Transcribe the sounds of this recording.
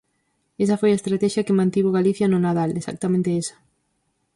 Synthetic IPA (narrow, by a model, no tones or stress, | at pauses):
esɐfojaest̪ɾat̪ɛʃjɐkemãnt̪iβoɣ̞aliθjɐnʊnaðalesa̰k̚t̪amẽnt̪eesɐ̥